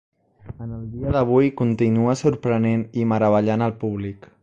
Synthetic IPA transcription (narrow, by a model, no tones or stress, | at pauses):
ənəlˠd̪iəðəβ̞ujkunt̪inuəsuɾpɾəneniməɾəβ̞əʎanəlˠpuβlik